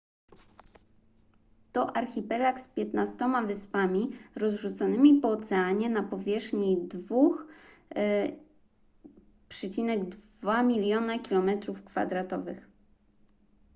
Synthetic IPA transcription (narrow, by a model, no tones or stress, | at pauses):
t̪ɔʔaɾxʲipɛlakspʲjɛt̪nast̪ɔmavɘspamʲiɾɔzʐut̪sɔnɘmʲipɔːt̪sɛaɲɛnapɔvʲjɛʂxɲid̪vux | pʂɛt͡ɕinɛɡd̪vamʲilʲjɔnakʲilɔmɛt̪ɾufkfa̰d̪ɾat̪ɔvɘ̰x